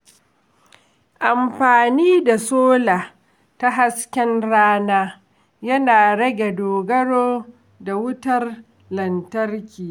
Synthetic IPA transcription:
ʔa˨mɸaː˨niː˦da˨soː˦laː˨ | ta˦ɦa˦skʲɛ˦nɽaː˦naː˦ | jɐ˦naː˨ɽɐ˦ɡʲe˨doː˨ɡɐ˦ɽoː˦ | da˨wʊ˦tɐ˦r | lɐ˨ntɐ˦rkʲiː˨

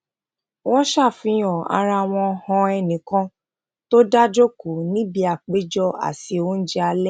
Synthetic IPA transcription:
wɔ̃˦ʃa˦˨fĩ˨˧˦ɔ̃˨a̰˨˧ɾa˧˨w̃ɔ̃˧hɔ̃˧ɛ˧nĩ˨kã˦ | to˦da˦d͡ʒo˦ko˨nĩ˦bi˧a˨k͡pe˨˦d͡ʒɔ˦a̰˨ti˧o˧˦n̩˦d͡ʒɛ˦a˧lɛ˦

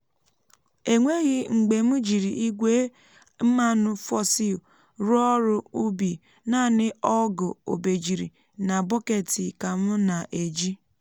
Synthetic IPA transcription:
e˨ŋʷe˦ɣɪ˦ŋ͡m̩˨ɡ͡be˨m̩˦d͡ʒi˨ɾi˨ʔi˦ɡʷe˦ | m̩˦ma˦nʊ˦fɔ˦si˦o˨ | ɾʊ˦ɔ˦ɾʊ˦u˦bi˨ | na˦˨nɪ˦ɔ˦ɡʊ˨o̰˨be˨d͡ʒi˨ɾḭ˨ | na˨bɔ˦ke˨tɪ˨ka˨m̩˦na˨ʔe˨d͡ʒi˦

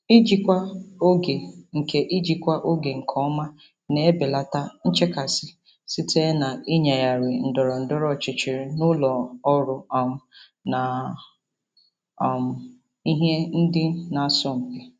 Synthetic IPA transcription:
i˦d͡ʒi˦kʷa˦o˦ɡe˨ŋ̩˨ke˨ʔi˦d͡ʒi˨kʷa˦ʔo˦ɡe˨ŋ̩˨kʰɔ˦ma˦ | ne˨e˦bɪ˨la˨ta˦n̩˦t͡ʃe˦ka˨sɪ˦ | sɪ˦te˦na˨i˦ɲa˨ja˨ɾɪ˨n̩˨dɔ˨ɾɔ˨n̩˨dɔ˦ɾɔ˦˨t͡ʃɪ˨t͡ʃɪ˨ɾɪ˨nʊ˦lɔ˨ɔ˦ɾʊ˦ɔ˨mʊ˦ | na˨ | ɔ˨mʊ˨ | i˦ɦe˦n̩˦dɪ˦na˨sɔ˦m̩˨pe˨

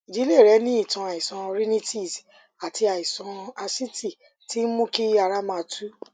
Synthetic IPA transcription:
i˨d͡ʒi˨˦le˦˨ɾɛ˨˦nĩ˦i˦˨tã˧a˨i˨sã˧ɾi˦nĩ˦ti˦˨s | a˨tʰi˧a˨i˨sɔ̃˧a˧si˦ti˦˨ | ti˦n̩˦mũ˦ki˦a˧ɾa˦mã˧˨˧tʰu˦

